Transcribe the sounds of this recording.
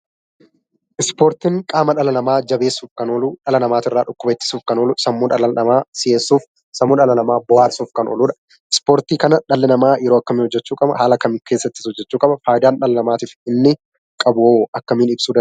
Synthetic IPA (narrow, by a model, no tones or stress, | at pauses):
ʔɪspoːɾt̪ɪŋkʼaːmɐᶑɐlɐnɐmaːd͡ʒɐbe̞ːsːuːfkɐnoːluːᶑɐlɐnɐmaːt̪ɪrːaːᶑʊkːʊbɐɛt͡ʃ̪ːɪ̥suːfkɐnoːlʊsɐmːʊᶑɐlɐnɐmaːsɪeːsːuːf | sɐmːʊːᶑɐlɐnɐmaːbɔwaːɾsuːfkɐnʔo̰ːlʊːᶑɐ̥ | ɪspoːɾt̪iːkɐnɐᶑɐlːɛnɐmaːjɛɾoːɐkːɐmɪnhɔd͡ʒːɛt͡ʃːuːkʼɐbɐ̰haːlɐkɐmkeːsːɐt̪ːɪ̥sɔd͡ʒːɛt͡ʃːuːkʼɐbɐfaːjɪd̪aːnᶑɐlɐnɐmaːt̪iːfɪnːɪ | kʼɐbʊwoʔɐkːɐmiːnɪbsuːd̪ɐ